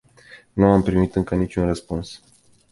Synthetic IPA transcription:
nuampɾimit̪ɨŋkənit͡ʃʲunrəspuns

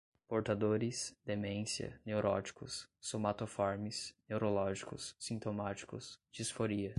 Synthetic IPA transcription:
poɾt̪ad̪oɾɪsd̪emẽsjɐ̰newɾʔɔ̰t͡ʃi̥kʊsːomat̪ofɔɾmɪsnewɾolɔʒikʊ̰sːĩnt̪omat͡ʃi̥kʊsd͡ʒiisfoɾiɐ

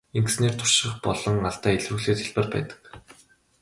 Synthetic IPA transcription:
eŋɡ̆sneːrt̪ʰʊ̥r̥ʃɪ̆χpɔɮɞ̆ŋaɮt̪æːiɮwuːɣɮeːt̪ʰeɮpɘ̆rpæ̰ːt̪ə̥̆k

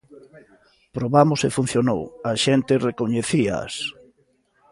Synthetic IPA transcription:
pɾoβamʊsefun̟θjono̰wɐʃent̪ɪrekoɲeθia̰s

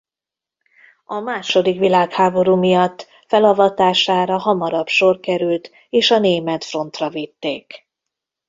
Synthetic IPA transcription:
ɒmaːʃo̞d̪ikʋilaːkhaːbo̞ɾuːmijɒt̪ː | fɛlɒvɒt̪aːʃaːɾɒɦɒmɒɾɒpʃo̞rkɛɾylt̪ | eːʃɒneːmɛt̪fro̞nt̪rɒvit̪ːeːk

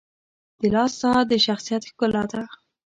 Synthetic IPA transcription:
d̪̥əlɑsɑd̪əʃaxsijat̪xkʊlɑt̪a

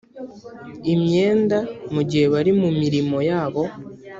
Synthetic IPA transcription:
imɲe̞ːndamuɟihe̞βaɾimumiɾimo̞jaːβo̞

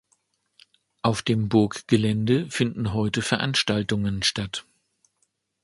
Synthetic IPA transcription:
ʔaʊfd̥eːmbʊɐkɡ̥əlɛndəfɪndn̩ɦɔʏtəfɛɐʔanʃtaltʊŋənʃtat

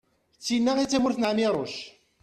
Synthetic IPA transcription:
t͡sːinːait͡sːæmʊɾθənʕmiɾˤoʃ

